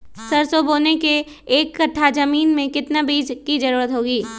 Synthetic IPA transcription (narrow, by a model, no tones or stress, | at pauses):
sɐɾsoboːnekeː | kːɐʈʰːad͡ʒɐmiːnmẽkɪt̪nabiːd͡ʒkid͡ʒɐɾuːɾət̪ɦoːɡiː